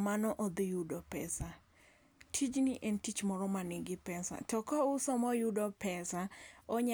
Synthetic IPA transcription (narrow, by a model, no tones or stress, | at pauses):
manɔʔɔd̪ijudɔpɛ̰sa | tʰid͡ʒnɪʔɛntit͡ʃmɔɾɔmanɪɡɪpɛsa̰tɔkɔʊsɔmɔjudɔpɛsaɔɲa